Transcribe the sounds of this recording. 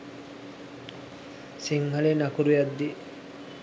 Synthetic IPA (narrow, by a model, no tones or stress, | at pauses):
siŋɦalenakuɾujad̪ːi